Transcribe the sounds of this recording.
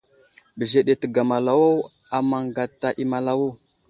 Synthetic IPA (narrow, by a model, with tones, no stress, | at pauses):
bə˨ze˨ɗe˨tə˨ɡa˨ma˨la˨wo˦ | a˨ma˨ŋɡa˨ta˨ʔi˦ma˨la˦wo˦˨